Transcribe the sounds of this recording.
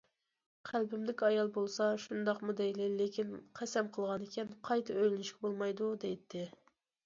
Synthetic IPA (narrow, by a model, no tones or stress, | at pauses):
qʰælbɪmd̪ɪkʲɑjɑlˠbolˠsɑʃund̪ɑqmud̪ɛjlɪlekʲʰinqʰæsɛmqʰəlˠʁɑnɪkʲʰɛnqʰɑjt̪ʰɨøjlɪnɪʃkʲɛbolˠmɑjd̪ud̪ɛjt̪ʰːɪ